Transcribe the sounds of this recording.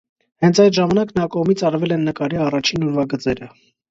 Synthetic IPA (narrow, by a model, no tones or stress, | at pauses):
hɛnt͡sʰɑjt̪ʒɑmɑnɑknɑkɔʁmit͡sʰɑɾvɛlɛnːəkɑɾiɑrɑt͡ʃʰinɔɾvɑɡət͡sɛɾə